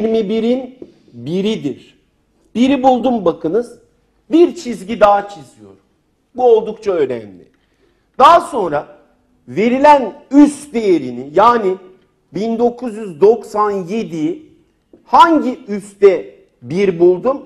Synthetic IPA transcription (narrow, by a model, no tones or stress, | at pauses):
ɾmibiɾin | biɾid̪iɾ̥ | b̥iɾibulˠd̪umbakʰɯnɯz | biɾt͡ʃʰizɟid̪aːat͡ʃʰizijo̞̰ɾum | buo̞lˠd̪ukt͡ʃʰaønæ̰mlʲɪ̰ | d̪̥aaso̞nɾa | ve̞ɾilʲænyst̪d̪e̞jeɾinijaːnɪ | bind̪o̞kʰuzjyzd̪o̞ksanje̞d̪i | haɲɟiyst̪ɛ | biɾbulˠd̪um